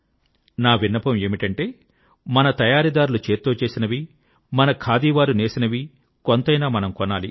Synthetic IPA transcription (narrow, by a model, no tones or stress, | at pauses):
naːʋinːɐpɐme̞ːmiʈɐɳʈe̞ː | mɐnɐt̪ɐjaːɾid̪aːɾulut͡ʃe̞ːɾt̪oːt͡ʃe̞ːsinɐʋi | mɐnɐkʰaːd̪iːʋaːɾune̞ːsinɐʋi | kont̪ɐjnaːmɐnɐmkonaːli